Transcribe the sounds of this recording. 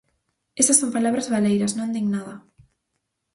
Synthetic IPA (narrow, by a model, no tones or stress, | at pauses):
esɐsompalaβɾɐzβalejɾɐsnõnd̪iŋnaðɐ